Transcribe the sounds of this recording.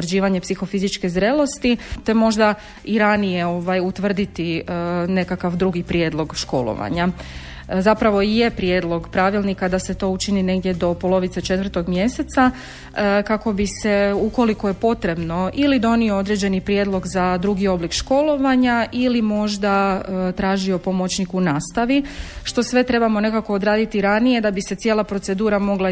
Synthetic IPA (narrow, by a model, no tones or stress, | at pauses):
rd͡ʑiːʋaɲe̞psixo̞fizit͡ʃke̞zɾelo̞st̪it̪e̞mo̞ʒd̪a | iɾanije̞o̞ʋajut̪ʋr̩d̪it̪ine̞kakaʋd̪ɾuɡipɾjed̪lˠo̞ɡʃko̞̰lˠo̰ʋa̰ɲa | zapɾaʋo̞ije̞pɾjed̪lˠo̞ɡpɾaʋilˠnikad̪ase̞t̪o̞ut͡ʃinine̞ɡd̪jed̪o̞po̞lˠo̞ʋit̪se̞t͡ʃe̞t̪ʋr̩t̪o̞ɡmje̞se̞t̪sa | kako̞bise̞uko̞likoje̞po̞t̪ɾe̞bno̞ʔilid̪o̞niood̪ɾe̞d͡ʑe̞nipɾje̞ːd̪lˠo̞ɡzad̪ɾuɡio̞blikʃko̞lˠo̞ʋaɲaʔilimo̞ʒd̪at̪ɾaːʒio̞po̞mot͡ɕnikunaːst̪aʋiʃt̪o̞sʋe̞t̪ɾe̞bamo̞ne̞kako̞ːd̪ɾaːd̪it̪iɾanije̞d̪abise̞t̪sje̞lˠapɾo̞t̪se̞d̪uːɾamo̞ɡlˠa